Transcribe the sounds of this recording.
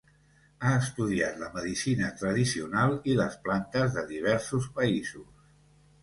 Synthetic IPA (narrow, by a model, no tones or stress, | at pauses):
aəst̪uðia̰t̪ləməðisinət̪ɾəðisiunalˠiləsplant̪əzðəðiβ̞ɛɾsuspəizus